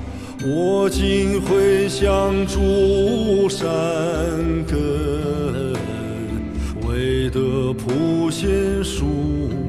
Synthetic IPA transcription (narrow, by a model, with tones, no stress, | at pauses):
wɔ˨˩t͡ɕi˥nxwe˥˧ɪɕjɑ˥˧ŋʈ͡ʂu˧ | ʂa˧nkə˧ | ə˧n | we˥ɪd̪ə˧˩pʰu˧˥ɕjɛ˥nʂu˥